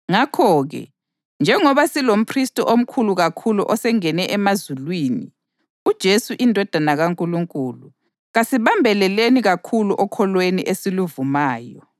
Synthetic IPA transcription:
ŋakʰɔːɣɛ̰ | nd͡ʒʱɛŋɔβasilom̩pʰristʼɔʔom̩kʰuluɣakʰuluʔɔsɛŋɛnɛʔɛmazulwiːnḭ | ud̥ʒ̥ʱesuʔindʱɔd̥ʱanaɣaŋkʼuluŋkʼuːlu | ɣasiβambʱɛlɛleniɣakʰuluʔɔkʰɔlweniʔesiluvumaːjɔ

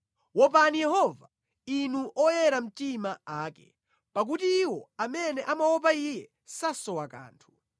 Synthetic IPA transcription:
wɔp̬anijɛhɔva | inuʔɔjɛɾam̩timaaːkɛ̥̰ | pak̬ut̬iːwɔamɛnɛʔamawɔp̬aijɛ | sasɔwaka̰ːntʰu̥

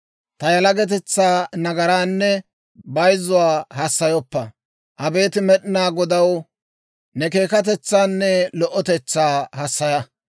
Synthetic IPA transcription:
t̪ɐjɐlɐɡɛt̪̬ɛt͡sːaːnɐɡɐɾaːnːɛ | bɐjzʊwaːhɐsːɐjɔpːɐ | ʔɐbe̞ːt̪ɪmɛɗɪnaːɡɔd̪ɐw | nɛke̞ːkɐt̪̬ɛt͡sːaːnːɛlɔʔːɔt̪ɛt͡sːaːhɐsːɐjɐ

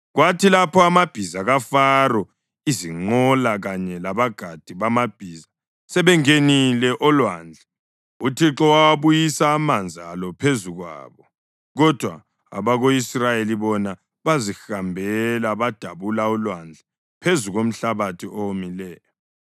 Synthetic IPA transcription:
ɣwatʰilapʰɔamab̥ʱizaɣafarɔ | iziŋ͡ǃɔlaɣaɲɛlaβaɡ̥ʱad̥ʱiβamab̥ʱiːza | sɛβɛŋenilɛʔɔlwand͡ɮʱa | utʰiǁɔwawaβujisaːmand͡zʱialɔpʰezuɣwa̰ːβɔ | ɣɔd̥ʱwa̰ | a̰βaɣoisrajeliβɔna | βazixambʱɛlaβad̥ʱaβulaɔlwand͡ɮʱa | pʰezuɣom̩ɬaβatʰiomilɛːjɔ

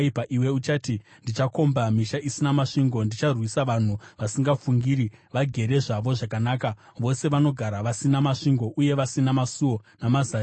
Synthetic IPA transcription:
ipaʔiwe̞ut͡ʃatindit͡ʃako̞mbamiʃaʔisinamaʂiŋɡo̞ndit͡ʃarwisaʋan̤uʋasiŋɡafuŋɡiːɾiʋaɡʱe̞ɾe̞ʐaʋo̞ʐakanaːka | ʋo̞se̞ʋano̞ɡʱaɾaʋasinamaʂiŋɡo̞ʔuje̞ʋasinamasuo̞namaza

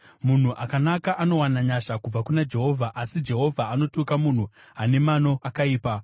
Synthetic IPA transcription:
mun̤uʔakanakaʔano̞wanaɲaʃakub͡vakunad͡ʒe̞ɦo̞vʱaʔasid͡ʒe̞ɦo̞vʱaano̞tukamun̤u | ane̞mano̞ʔakaiːpa

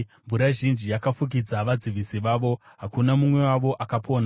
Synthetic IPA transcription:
ɱvuɾaʒind͡ʒijakafuk̬id͡zaʋad͡ziʋisiʋaːʋo̞ɦakunamumwe̞waʋo̞ʔakapʰo̞ːna

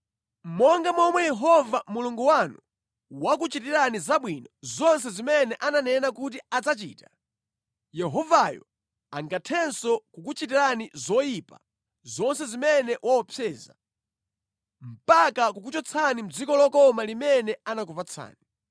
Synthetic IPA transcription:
m̩mɔŋɡamɔmwɛjɛɦɔvamuluŋɡuwanu | wakut͡ʃitiɾanizaɓwinɔzɔns̬ɛzimɛnɛʔananɛnakut̬iad͡zat͡ʃḭːta | jɛɦɔvajɔ̰ | aŋɡatʰɛnsɔkukut͡ʃitiɾanizɔjipa̰ | zɔnsɛzimɛnɛwʔaɔpʰjɛːza̰ | m̩pakakukut͡ʃɔt͡sʰanim̩d͡zikɔlɔkɔmalimɛnɛanakupat͡sʰa̰ːni

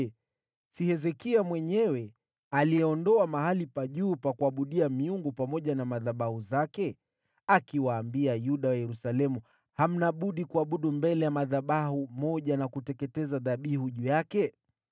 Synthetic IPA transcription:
sihɛzɛkiamwɛɲɛwɛ | alijɛɔndɔamaɦalipaʄuːpakuaɓuɗiamiuŋɡupamɔʄanamaðaɓahuzakɛ | akiwaːmbiajuɗawajɛɾusalɛmu | ham̩naɓuɗikuaɓuɗumbɛlɛjamaðaɓahumɔʄanakutɛkɛtɛzaðaɓihuʄujakɛ

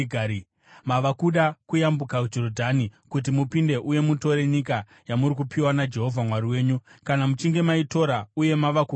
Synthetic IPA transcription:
ɡʱ | maʋakuɗakujambukakud͡ʒo̞rodʱanikut̬imupinde̞ʔuje̞muto̞ɾe̞ɲika | jamuɾik̬upʰiwanad͡ʒe̞ɦo̞vʱamwaɾiwe̞ːɲukanamut͡ʃiŋɡe̞maito̞ɾauje̞maʋaku

